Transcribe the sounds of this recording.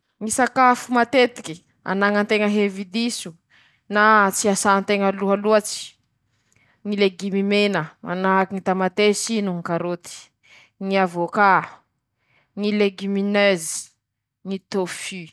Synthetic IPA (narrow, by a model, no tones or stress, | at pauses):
ŋisakafumat̪et̪ikʲi | a̰naŋənt̪eŋəɦevid̪isu | nat͡siasant̪eŋəluɦaluat͡si̥ | ŋileɡimimenəma̰naɦakiŋit̪amat̪esinuŋkaɾot̪i̥ | ŋiavoka | ŋileɡyminøzi̥ | ŋit̪ofi